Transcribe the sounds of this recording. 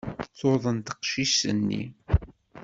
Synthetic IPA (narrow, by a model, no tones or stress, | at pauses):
θoðˤənt̪ə̥qʃisə̰nːḭ